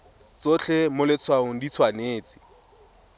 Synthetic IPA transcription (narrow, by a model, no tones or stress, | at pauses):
t͡sot͡ɬemʊlɪt͡sʰwaŋʊdit͡sʰwaneːt͡sɪ̥